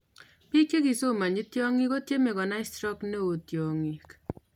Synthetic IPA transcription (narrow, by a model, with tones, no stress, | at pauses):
pi˦ke˦ki˨so˦˨ma˨ɲi˦tjɔ˦ŋi˦ko˦tje˦me˨kɔ˨na˦ɪ˦stɾɔ˦kne˦o˨tjɔ˨ŋi˨k